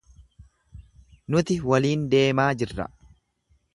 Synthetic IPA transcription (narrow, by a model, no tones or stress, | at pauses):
nʊt̪ɪwɐliːnd̪e̞ːmaːd͡ʒɪrːɐ̰